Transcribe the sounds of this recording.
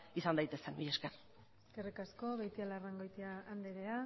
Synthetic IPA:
isand̪ajt̪e̞senbijesker | ske̞rikasko̞βejt̪ialaraŋɡojt̪iaːnd̪eɾea

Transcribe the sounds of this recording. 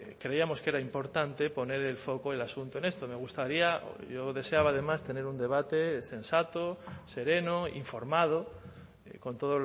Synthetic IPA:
kɾeiamo̞ske̞ɾaimpo̞ɾt̪ant̪e̞po̞ne̞ɾe̞lfo̞koelasunt̪oe̞ne̞st̪ome̞ɣ̞ust̪aɾiao̰ʝoðe̞se̞aβ̞aːðe̞mast̪e̞ne̞ɾund̪e̞β̞at̪e̞se̞nsat̪ose̞ɾe̞noḭɱfo̞ɾmað̞o | ko̞nt̪o̞ð̞o

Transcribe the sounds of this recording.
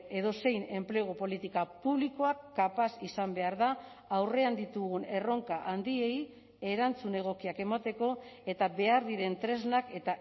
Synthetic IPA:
e̞ðo̞se̞jne̞mple̞ɣ̞opo̞lit̪ikapuβliko̞akːapasisambe̞aɾðaː | wre̞and̪it̪uɣune̞ro̞ŋkaʔand̪ie̞j | e̞ɾant͡sune̞ɣ̞o̞kiake̞mat̪e̞ko̞e̞t̪aβe̞aɾðiɾe̞nt̪ɾe̞znake̞t̪a

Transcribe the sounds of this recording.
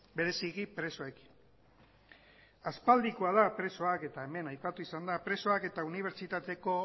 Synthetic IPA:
be̞ɾe̞siɣipɾe̞so̞eki̥n | aspald̪ikuaðapɾe̞so̞ake̞t̪ae̞me̞najpat̪uisand̪apɾe̞so̞ake̞t̪auniβ̞e̞ɾt͡ʃit̪at̪e̞ko̞

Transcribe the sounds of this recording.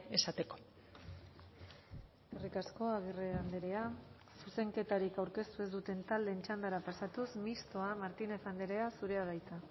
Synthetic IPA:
esat̪e̞ko̞̥ | e̞rikasko̞aɣireand̪eɾea | suse̞ŋke̞t̪aɾikawɾke̞st̪ue̞zd̪ut̪e̞nt̪ald̪e̞ːnt͡ʃand̪aɾapasat̪usmist̪o̞amaɾt̪ine̞fand̪eɾe̞asuɾe̞aɣajt͡s̪a

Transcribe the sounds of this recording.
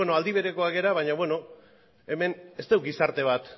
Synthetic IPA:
enoald̪iβ̞e̞ɾe̞ko̞ake̞ɾaβ̞aɲaβwe̞no̞ | e̞me̞ne̞st̪ewɡisaɾt̪e̞β̞at̪

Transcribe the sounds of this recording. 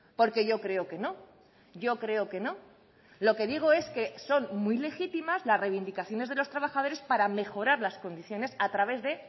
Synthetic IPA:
po̞ɾke̞ʝo̞kɾe̞o̞ke̞no̞ | ɟ͡ʝo̞kɾe̞o̞ke̞no̞ | lo̞ke̞ðiɣ̞o̞e̞ske̞so̞nmijle̞xit̪imazlasrejβind̪ikaθjo̞ne̞zðe̞lo̞st̪ɾaβaxað̞o̞ɾe̞spaɾame̞xo̞ɾaɾlasko̞nd̪iθjo̞ne̞sat̪ɾaβ̞e̞zðe̞

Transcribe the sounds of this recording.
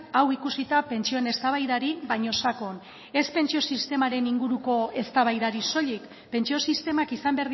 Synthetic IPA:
awikusit̪ape̞nt͡ʃio̞ne̞st̪aβ̞ajðaɾiβaɲo̞sako̞n | e̞spe̞nt͡ʃio̞sist̪e̞maɾe̞niŋɡuɾuko̞e̞st̪aβajðaɾiso̞ʎik | pe̞nt͡ʃio̞sist̪e̞makisambeɾð

